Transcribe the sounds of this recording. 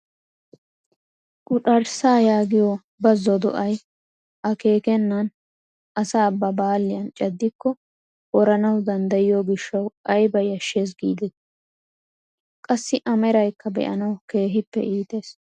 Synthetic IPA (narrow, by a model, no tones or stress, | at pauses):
kʼʊᶑɐɾsaːjaːɡɪjo | bɐzːɔd̪ɔ̰ʔɐj | ʔɐke̞ːkɛnːɐn | ʔɐsaːbːɐbaːlːɪjɐnt͡ʃʼɐd̪ːɪkːɔ | ʔɔɾɐnɐwd̪ɐnd̪ɐjɪjoːɡɪʃːɐwʔɐjbɐjɐʃːe̞ːs̬ɡḭːd̪ɛt̪ | kʼɐsːɪʔɐmɛɾɐjkːɐbɛ̰ʔɐ̰nɐwke̞ːɦɪpːɛ̰ʔiːt̪e̞ːs